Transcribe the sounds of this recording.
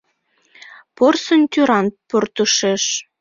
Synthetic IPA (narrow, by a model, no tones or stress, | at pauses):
porsənʲt̪ʲyɾɑnport̪uʃeʃ